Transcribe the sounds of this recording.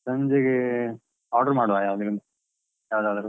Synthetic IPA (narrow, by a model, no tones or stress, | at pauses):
sɐɲd͡ʒeɡe | aːɾɖɐɾmaːɽʋaːjaːʋɐd̪ɐɾind̪ɐ | jaːʋɐd̪aːd̪ɐɾ